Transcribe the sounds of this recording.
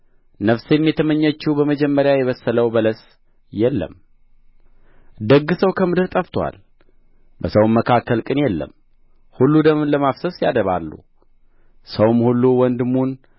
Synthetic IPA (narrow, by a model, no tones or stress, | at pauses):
nəfsjɛmjɛt̪ʰəməɲːət͡ʃːubəməd͡ʒɛmːəɾjajɛβəsːələwbələs | jɛlːə̰m | d̪əɡːɨsəwkʰəmɨd̪ɨɾt̪ʼəft̪ʰwa̰l | bəsəwmːəkʰakʰːəlkʼɨnjɛlːə̰m | hulːud̪əmnləmafsəsjad̪əβa̰lːṵ | səwmhulːuwɔnd̪ɨmːun